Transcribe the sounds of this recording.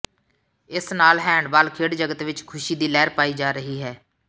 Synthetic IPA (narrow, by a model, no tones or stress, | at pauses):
ɪsnaːlɦɛ̃ːɳɖbaːlkʰeːɽd͡ʒəɡət̪ʋɪt͡ʃkʰʊʃiːd̪iːlɛːɾpaːiːd͡ʒaːɾəɦiːɦɛː